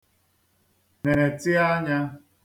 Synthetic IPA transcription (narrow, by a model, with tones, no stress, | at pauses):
ne˨ɾe˨tɪ˦a˦ɲa˦